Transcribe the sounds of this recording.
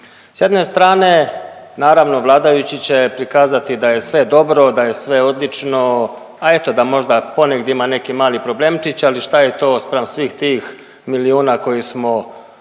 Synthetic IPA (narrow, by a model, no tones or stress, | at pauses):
sje̞d̪ne̞st̪ɾaːne̞naːɾaʋno̞ʋlˠaːd̪ajut͡ɕit͡ɕe̞pɾikaːzat̪id̪aje̞sʋe̞d̪o̞bɾo̞d̪aje̞sʋe̞o̞d̪lit͡ʂno | ae̞t̪o̞d̪amo̞ʒd̪apo̞neɡd̪eimane̞kimaːlipɾo̞bleːmt͡ʃit͡ɕaliʃt̪ajet̪o̞ːspɾamsʋiːxt̪iːx | miliuːnako̞jismo̞